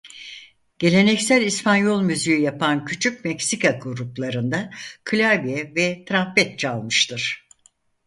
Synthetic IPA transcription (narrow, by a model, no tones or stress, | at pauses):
ɟ̥e̞lʲe̞nɛcsælʲispʰanjo̞lˠmyzyjyjapancʰyt͡ʃʰyc̚mɛcsikʰaɡuɾuplˠaɾɯnd̪akʰɯlʲabijɛvɛt̪ʰɾapɛt̪̚t͡ʃalˠmɯʃt̪ʰɯɾ̥